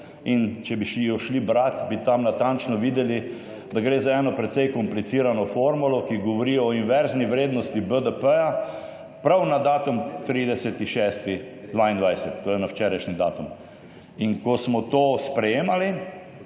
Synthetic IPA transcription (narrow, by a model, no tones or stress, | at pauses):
int͡ʃɛbiʃiɔʃlibɾat̪bit̪amnat̪ant͡ʃnɔʋiːd̪ɛli | d̪aɡɾeːzaɛːnɔpɾɛt̪sɛjkɔmplit̪siːɾanɔfoɾmulɔkiɡɔʋɔɾiɔɔinʋɛɾzniʋɾeːd̪nɔst̪ibəd̪əpəja | pɾawnad̪aːt̪umt̪ɾiːd̪ɛsət̪iʃɛst̪id̪ʋaːind̪ʋajsɛt̪̚ːoɾɛnawt͡ʃɛːɾaʃnid̪a̰ːt̪um | inkɔsmɔt̪oːspɾɛjeːmali